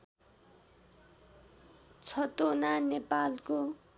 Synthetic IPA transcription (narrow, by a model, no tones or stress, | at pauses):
t͡sʰʌt̪onanepalko